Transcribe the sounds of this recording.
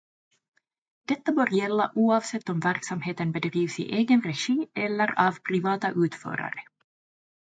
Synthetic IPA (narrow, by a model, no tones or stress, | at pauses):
d̪̥ɛt̪ːabœːɾjɛlːaʔuːɑːvsɛt̪ːɔmvæɾksamheːt̪ənbɛd̪ɾiːvsɪ̰ʔeːɡənɾɛʂiːɛlːəɾavpʰɾɪvɑːt̪aʔʉ̟ːt̪fœ̰ːɾa̰ɾə